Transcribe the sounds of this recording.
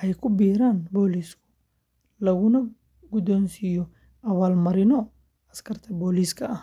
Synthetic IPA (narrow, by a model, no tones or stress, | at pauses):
ʔɛjkʰʊbiːɾaːnbɔːliːskʰʊ̥ | lɐɣʊnɐ | ɡʊd̪ɔːnsijɔ | ʔɐβaːlmɐɾɪnɔ | ɐskʰɐrt̪ʰɐbɔːliːskʰɐʔɐh